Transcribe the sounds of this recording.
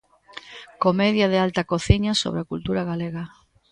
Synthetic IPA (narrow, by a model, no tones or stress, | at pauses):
komeðjaðɪalt̪akoθiɲaso̰βɾakult̪uɾaɣaleɣa